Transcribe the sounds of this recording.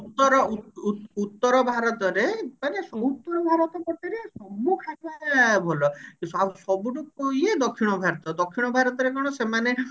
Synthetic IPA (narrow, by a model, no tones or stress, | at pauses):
ut̪ːɔɾɔuut̪ːɔɾɔbʱaɾɔt̪ɔɾepanesɔut̪ːɔɾɔbʱaɾɔt̪ɔpɔʈ̪iɾesɔbukʰababʱɔlɔkisʰawsɔbuʈukojed̪okʰːiɽ̃ɔbʱaɾɔt̪ɔd̪okʰːiɽ̃ɔbʱaɾɔt̪ɔɾekɔɽ̃ɔsemane